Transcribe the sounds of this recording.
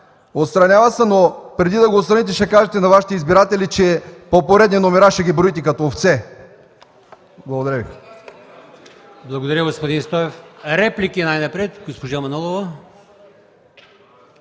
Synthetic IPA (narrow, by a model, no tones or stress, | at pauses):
ot̪st̪ɾɐnʲavəsɛnopɾɛd̪id̪ɐɡoːt̪st̪ɾɐnit̪ɛʃɛkaʒɛt̪ɛnɐvaʃi̥t̪ɛizbiɾat̪ɛlit͡ʃɛpopoɾɛd̪ninomɛɾaʃɛɡʲibɾoit̪̬ɛkɐt̪oːft̪sɛ | blˠɐɡod̪ɐɾəvḭ | blˠɐɡod̪ɐɾʲjəɡospod̪inst̪ɔɛfɾɛplikinajnɐpɾɛt̪ɡospoʒamɐnolˠovɐ